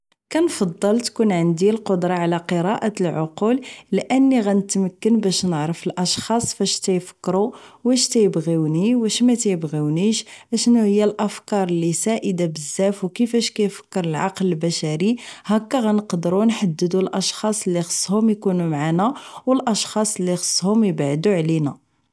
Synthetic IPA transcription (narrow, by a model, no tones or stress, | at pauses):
kænfɑd̪ˤːəlt̪kunʕənd̪ilqod̪ɾˤɑʕlæqəɾˤɑʔat̪əlʕoqullʔənːiɣænət̪məkːənbæʃnəʕɾˤəfəlʔɑʃxɑsˤfæʃt̪æjfə̥kːɾuwæʃt̪æjəbɣiwniwæʃmæt̪æjəbɣiwniʃʔæʃnːuhəjːælʔəfkɑɾˤəlːisæʔəd̪abəzːæfwkəfæʃkæjfə̥kːəɾˤəlʕɑqləlbæʃæɾihækːæɣænəqd̪əɾunħad̪ːəd̪ulʔɑʃxɑsˤəlːixə̥sˤːhʊmjkunumʕanæwəlʔɑʃxɑsˤəlːixə̥sˤːhʊmjəbaʕd̪uʕlinæ